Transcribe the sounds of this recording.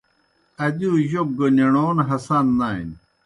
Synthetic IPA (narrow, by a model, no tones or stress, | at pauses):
ɐd̪iuʑoɡoneɳoːnɦɐsanːaḭn